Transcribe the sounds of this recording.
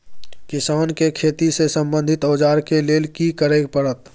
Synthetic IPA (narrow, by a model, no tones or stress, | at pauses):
kɪsaːnkekʰeːt̪isesə̃mbə̃nd̪ʱɪt̪ɔːd͡ʒaːɾkeleːlkikəɾeːɡ̚pəɽət̪